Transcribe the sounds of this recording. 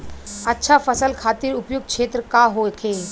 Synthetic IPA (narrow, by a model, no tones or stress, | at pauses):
ɐtːʃʰafəsəlkʰaːt̪iːɾʊpjuɡ̚kʃeːt̪ɾəkaɦokʰe